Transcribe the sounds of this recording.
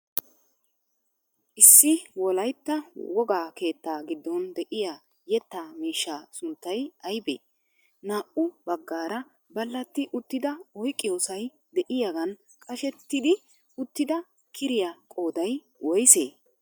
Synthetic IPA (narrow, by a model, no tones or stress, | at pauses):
ʔɪsːɪwɔlɐjt̪ːɐwɔɡaːke̞ːt̪ːaːɡɪd̪ːɔnd̪ɛʔɪjaː | jɛt̪ːaːmiːʃːaːsʊnt̪ːɐjɐjbḛː | naːʔʊbɐɡːaːɾɐ | bɐlːɐt̪ːɪʔʊt̪ːɪd̪ɐɔjkʼːɪjo̞ːsɐj | d̪ɛʔɪjaɡɐn | kʼɐʃɛt̪ːɪd̪ɪ | ʊt̪ːɪd̪ɐ | kʰɪɾɪjakʼo̞ːd̪ɐj | wɔjsḛː